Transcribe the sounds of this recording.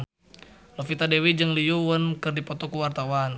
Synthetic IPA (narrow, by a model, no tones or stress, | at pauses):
lofit̪adewid͡ʒəŋlijuwənkɨrdipɔt̪ɔkuwart̪awan